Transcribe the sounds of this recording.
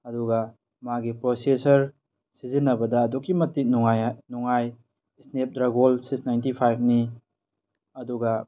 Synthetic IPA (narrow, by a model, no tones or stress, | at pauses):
ɐduɡɐ | maɡipɾosesɐɾ | sizinːɐbɐdɐːdukːimɐtːik̚nuŋajnuŋaj | snep̚dɾaɡolsiksnajntipʰajb̚ʰni | ɐduɡɐ